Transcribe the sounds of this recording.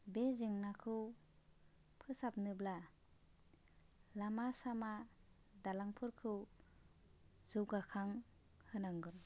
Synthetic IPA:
bezɯŋnakʰɯw | pʰɯsap̚nɯbla | lamasama | dalaŋpʰɯɾkʰɯw | zɯwɡakʰaŋ | hɯnaŋɡɯɾ

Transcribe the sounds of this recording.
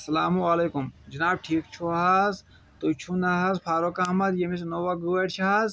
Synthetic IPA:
ɐsɐlaːmuɐlekumd͡ʒɐnaːb̚ʈʰiːkt͡ʃʰuɦaz | t̪ot͡ʃʰunaɦazpʰaːɾokaɦmɐt̪jemis̬noʋaɡuɐʈt͡ʃʰɦaːz

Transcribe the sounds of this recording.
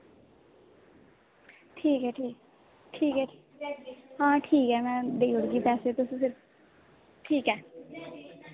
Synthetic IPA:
ʈʰiːkɛːʈʰiːk | ʈʰiːkɛ | ɦãːʈʰiːkɛːmɛ̃ːd̪eːoɽɡiːpɛːset̪osĩsɪɾf | ʈʰiːkɦɛː

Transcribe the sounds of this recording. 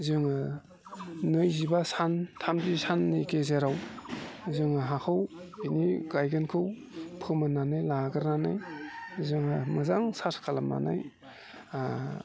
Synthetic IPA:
zɯŋɯ | nɯjzibasantʰamdisanːɯkezeɾaw | zɯŋɯɦakʰɯwiniɡajɡɯnkʰɯw | pʰɯmɯnanɯjlaɡɯɾnanajzɯŋɯmɯzaŋsaskʰalama̰na̰j

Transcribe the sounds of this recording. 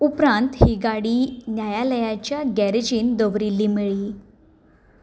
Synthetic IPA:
upɾãnt̪hiɡaɽiːnjajaləjat͡ɕjaɡæɾid͡ʑiːnd̪əʋɾilːiːmiɭiː

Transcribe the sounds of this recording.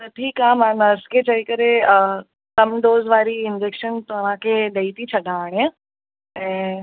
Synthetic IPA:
t̪ɐʈ̪ʰiːkãmãnɐskʰet͡ɕʰɐikəɾeə | kɐmɖ̪oːzʋaːɾiɪnd͡ʑeːkʃənt̪oəʋ̤ãkʰeːɗɐit̪it͡ɕʰɐɗʱaːɽ̃e | ɛ̃ː

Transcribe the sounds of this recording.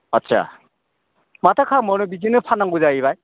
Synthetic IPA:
ʌtsʰa̰ | matʰakʰamɔnɯbizinɯpʰanːaŋɡuzajiβaj

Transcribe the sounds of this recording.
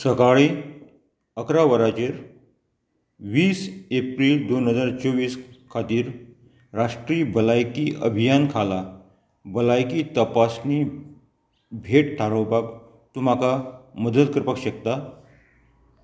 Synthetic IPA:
səkaɭi | əkɾaʋəɾat͡ɕeɾ | ʋiːsepɾiːld̪onɦəd͡zaɾt͡soʋiːskʰat̪iːɾ | ɾaʂʈɾiːbəlajkiʔə̰bʱijankʰala | bəlajkiːt̪əpasni | bʱeʈ̚ʈʰaɾəwpak | t̪um̤akaməd̪ət̪kəɾpəkɕək̚t̪a

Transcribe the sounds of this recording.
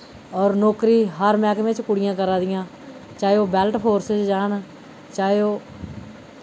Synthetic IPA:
ɔːɾnoːkɾiːɦəɾmɛːkmẽːt͡ʃkʊɽɪjãːkəɾaːd̪ɪjãː | t͡ʃaːoːbɛːlʈpʰoːɾset͡ʃd͡ʒaːn | t͡ʃaːeoː

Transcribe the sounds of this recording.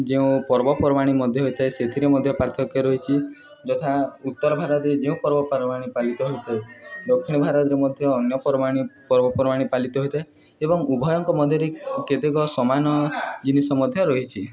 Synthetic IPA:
d͡ʒeũpɔɾbɔpɔɾɔmaɽ̃imɔd̪ʱjɔɦojt̪ʰaeset̪ʰiɾemɔd̪ʱjɔpaɾt̪ʰɔkjɔɾɔɦit͡ʃʰi | d͡ʒɔt̪ʰaut̪ːɔɾɔbʱaɾɔt̪ɾed͡ʒeũpɔɾbɔpɔɾɔmaɽ̃ipalit̪ɔɦojt̪ʰaed̪ɔkʰːiɽ̃ɔbʱaɾɔt̪ɾemɔd̪ʱjɔːnjɔpɔɾmaɽ̃ipɔɾbɔpɾɔmaɽ̃ipalit̪ɔɦojt̪ʰae | ebɔŋubʱɔjɔŋkɔmɔd̪ʱjɔɾeket̪ekɔsɔmanɔd͡ʒinisɔmɔd̪ʱjɔɾɔɦit͡ʃʰi

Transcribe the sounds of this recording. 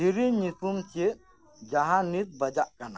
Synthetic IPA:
iɾiɲisumt͡ʃeʔ | d͡ʒaɦãnit̪̚bəd͡ʒaʔkana̰

